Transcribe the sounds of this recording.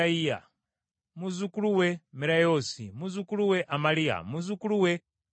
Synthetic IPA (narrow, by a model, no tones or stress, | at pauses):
aija̰ | muzukuluwɛmiɾajɔsḭmuzukuluwɛʔamalija̰muzukuluwɛ